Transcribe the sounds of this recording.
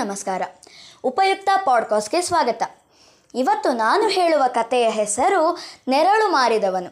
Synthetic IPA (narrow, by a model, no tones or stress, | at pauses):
ɐmɐskaːɾɐupɐjuk̚t̪ɐpaːɖ̚kɔːsʈɡesʋaːɡɐt̪ɐ | iʋɐt̪ːunaːnuɦe̞ːɭuʋɐkɐt̪ɛjɐɦɛsɐɾunɛɾɐɭumaːɾid̪ɐʋɐnu